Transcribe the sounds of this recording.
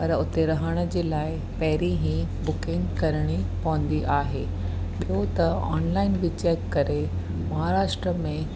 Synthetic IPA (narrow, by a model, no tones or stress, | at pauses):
pɐɾʊt̪eɾɐɦəɽ̃ə̆d͡ʑeːlaːɪ | pɐɦɪɾiɦĩbʊkɪ̃ŋɡkɐɾɽ̃ipɐʋə̃nd̪iʔaːɦeː | ɓiɦot̪ɐɔ̰ːnlaːɪnbɪt͡ɕɛːkːɐɾe | mɐɦaɾaːʃʈɾəmẽ